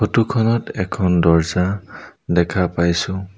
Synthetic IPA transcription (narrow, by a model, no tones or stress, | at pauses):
otukʰɔnɔtɛkʰɔndɔɹzadɛkʰapajsʊ̃